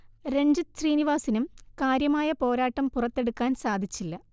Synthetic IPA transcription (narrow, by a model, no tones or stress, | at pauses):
ɾe̞ɲd͡ʑɨɕriːniʋaːsinumkaːɾjɐmaːjɐpo̞ːɾaːʈːɐmpurɐt̪ːeɽukːaːnsaːd̪ʱit͡ɕːilːɐ